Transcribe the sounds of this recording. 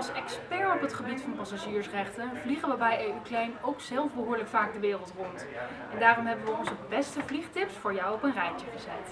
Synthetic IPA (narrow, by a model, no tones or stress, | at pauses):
ɑlˠsɛkspɛɹɔpɦətχəbitfɑnpɑsaːʒiːɹsrɛχtənvliχənʋəbɛjeyklɛjnowksɛlˠfbəɦʊːɹləkfaːɡ̚dəʋɪːrəlˠtrɔnt | ɛndaːrɔmɦɛbənʋəɔnzəbɛstəvliχtɪpsfʊːɹjɔwɔpənrɛjtəχəzɛt